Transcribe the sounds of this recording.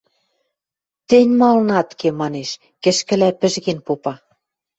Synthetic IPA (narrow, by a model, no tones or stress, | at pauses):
t̪ĕnʲmɑlnɑt̪kemɑneʃ | kɘ̆ʃkɘ̆læpɘ̆ʒɣenpopɑ